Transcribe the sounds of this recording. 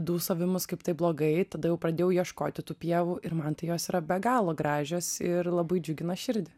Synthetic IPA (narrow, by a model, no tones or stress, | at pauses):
d̪uːsɐʋʲɪmʊskɐɪpt̪ɐɪblˠoːɡɐɪt̪ɐd̪ɐjɛʊpɾɐd̪ʲeːjʊjiɛʃko̰ːt̪ʲɪt̪uːpʲiɛʋuʔɪɾmɐnt̪ɐɪjoːsiːɾɐbʲɛɡɑːlˠoːɡɾɑːʒʲoːsɪrlˠɐbɐɪd͡ʒʲʊɡʲɪnɐʃʲɪɾʲd̪ʲɪ